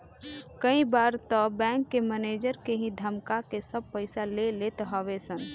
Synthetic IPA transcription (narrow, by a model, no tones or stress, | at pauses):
kəĩbaːɾt̪əbɛ̃ːŋkːemɛneːd͡ʒəɾkeɦĩd̪ʱəmkakesəb̚pəɪsalelet̪ɦɔʋesən